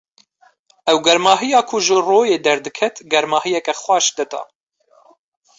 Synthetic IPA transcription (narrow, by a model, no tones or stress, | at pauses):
ɛwɡɛɾmɑːɦɨjɑːkʰʊʒɨroːjeːd̪ɛɾd̪ɨkʰɛt̪ɡɛɾmɑːɦɨjɛkɛxwʷɑːʃd̪ɨt̪ɑ̰ː